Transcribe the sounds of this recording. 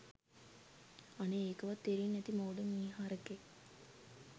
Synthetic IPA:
aneeːkəʋat̪ːeɾinːɛt̪imauɖəniːɦaːɾəke

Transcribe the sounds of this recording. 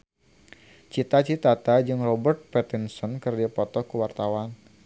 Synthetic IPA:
t͡ʃit̪at͡ʃit̪at̪ad͡ʒɨŋrɔbərt̪̚pɛt̪insɔnkɨrd͡ʒapɔt̪ɔkəwart̪awan

